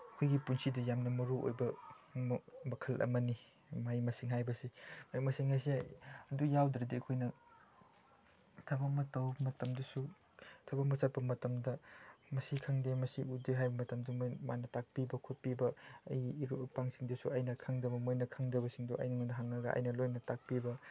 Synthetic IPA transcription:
ɐkʰojɡipunsidɐjamnɐmɐɾuʔo̰jbɐ | mɐkʰɐlʔɐ̰mɐni | majmɐsiŋɦajbɐsimajmɐsiŋhajsiɐdujawdɾɐdiɐkʰojnɐ | tʰɐbɐmɐtɐwbmɐtɐmdɐsu | tʰɐbɐmɐsɐt̚pɐmɐtɐmdɐmɐsikʰaŋdemɐsiudeɦajbɐmɐtɐmdɐmjma̰nɐtak̚pibɐkʰot̚pibɐɐ̰jiɾupaŋsiŋdɐsuɐjnɐkʰaŋdɐbɐmojnɐkʰaŋdɐbɐsiŋdoʔɐ̰jnɐŋundɐɦaŋnɐɡɐʔɐ̰jnɐlojnɐtak̚pibɐ

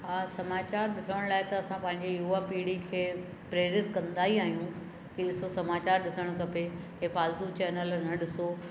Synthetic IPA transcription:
ɦaːsɐmaːt͡ɕaːɾɗɪsəɽɽ̃laːɪt̪ɐɐsãpɐ̃ɦɪ̃ɲd͡ʑijuːaːpiːɽikʰeː | pɾeːɾɪt̪kɐ̃nd̪aːɦiaːɦijũ | kiɗɪsosɐmaːt͡ɕaːɾɗɪsəɽ̃kɐpeɦefaːlt̪ut͡ɕɛːnəlnɐɗɪso

